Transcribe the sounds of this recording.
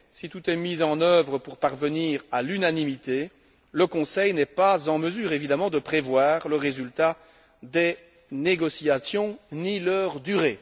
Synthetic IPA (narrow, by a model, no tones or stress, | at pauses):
sit̪ut̪ɛmizɑ̃nœvʁəpuʁpaʁvəniːʁalynanimit̪e | ləkɔ̃sɛjnɛpazɑ̃məzyːʁevid̪amɑ̃d̪əpχevwaːʁləʁezylt̪a | d̪ɛ | neɡɔsiasjɔ̃nilœʁd̪yʁe